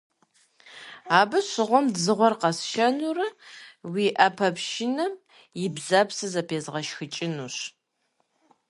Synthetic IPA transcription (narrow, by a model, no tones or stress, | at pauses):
aːbɨɕɪʁʷɔmdzɨʁʷɔrqɐsʃɐnurɐwiʔɐpʰɐpʃinɐm | jɪbzɐpsɨzɐpʰeːzʁɐʃxɨt͡ʃʼɪnuɕ